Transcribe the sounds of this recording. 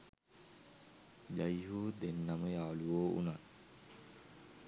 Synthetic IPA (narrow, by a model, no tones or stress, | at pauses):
d͡ʒajɦuːd̪enːaməjaːluʋoːṵna